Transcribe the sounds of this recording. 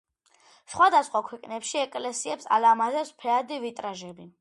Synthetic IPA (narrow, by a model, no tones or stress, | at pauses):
sχwad̪asχwakʰwɛqʼnɛpʃiɛkʼlɛsiɛpsa̰lamazɛspʰɛad̪ivit̪ʼɾaʒɛbi